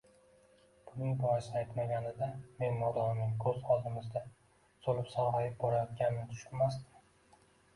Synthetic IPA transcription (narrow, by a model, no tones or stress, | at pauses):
b̥ʊnɪŋbɒjɪsajt̪maɡʲanɪd̪ame̞nmɒd̪ɒɪmnɪŋkʰɵzɒzɪmɪzd̪a | solɪpsɒhajɪp̚bɒɾajɒt̪̚ɡʲannɪt̪ʰʊ̥ʃkʊmast̪ɪm